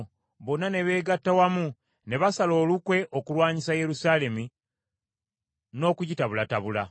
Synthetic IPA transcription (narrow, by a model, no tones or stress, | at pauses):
βo̞nːane̞βe̞ːɡatːawamu | ne̞βasalo̞ːlukwe̞ʔokulwaːɲisaje̞ɾusaːle̞mi | no̞ːkuɟitaβulataβula̰